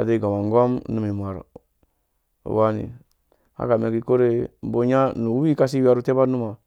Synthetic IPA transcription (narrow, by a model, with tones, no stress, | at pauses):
a̰˨de˦˨ɡa˨ma˨ŋ˦ɡo˦mnu˨mi˨ma˨ɾ | wa˦nḭ˨ | ha̰˦ka˨me˨ki˨ko˦ɾe˦˨˦bo˦ɲa˦nu˨˦i˦ka˦si˦wi˦a˦ɾu˦te˦ba˦nu˦ma˨